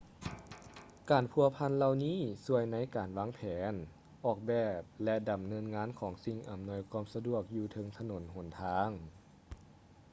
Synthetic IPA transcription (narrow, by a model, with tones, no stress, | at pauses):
kaː˨˩npʰu˧˩ɐpʰa˧˥˨nla˧wniː˧˥˨su˧əjna˧˥jkaː˨˩nwaː˧˥ŋpʰɛː˩˦n | ʔɔː˧˩k̚bɛː˧˩p̚lɛ˧da˨˩mnɤː˧˥nŋaː˧˥˨nkʰɔː˩˦ŋsi˧˩ŋʔa˨˩mnu˧əjkʰaː˧˥˨msa˧du˧˩ək̚juː˧˩t̪ʰɤ˧ŋt̪ʰa˧no˨˦nɦo˨˩˦nt̪ʰaː˧˥ŋ